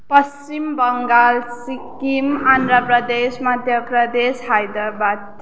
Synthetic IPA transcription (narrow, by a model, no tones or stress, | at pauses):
pʌst͡ʃimbʌŋɡalsikimand̪ɾəpɾʌd̪esmʌd̪ʱjʌpɾʌd̪esɦajd̪ɾəbad̪